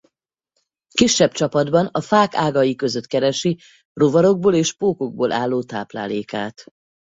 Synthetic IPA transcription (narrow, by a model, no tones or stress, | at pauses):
kiʃːɛb̚t͡ʃɒpɒd̪bɒnɒfaːkaːɡɒjikø̞zø̞t̪kɛɾɛʃi | rovɒɾo̞ɡ̚boːleːʃpoːko̞ɡ̚boːlʔaːlːoːt̪a̰ːpla̰ːleːka̰ːt̪